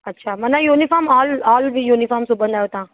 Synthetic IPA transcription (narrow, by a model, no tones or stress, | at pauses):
ɐtːʃʰaːmɐnãjuːnifɔːɾmɔːlɔːlʋijuːnifɔːɾmsʊbə̃nd̪aːjot̪ãː